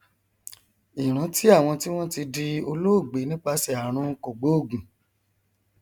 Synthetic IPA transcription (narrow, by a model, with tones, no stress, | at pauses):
i˨ɾ̃ã˨˦ti˦a˦˨w̃ɔ̃˧ti˦w̃ɔ̃˦ti˧di˧o˧lo˦o˦˨ɡ͡be˨˦nĩ˦k͡pa˧sɛ˨a˨ɾ̃ũ˧ko˨ɡ͡bo˨˦o˦˨ɡũ˨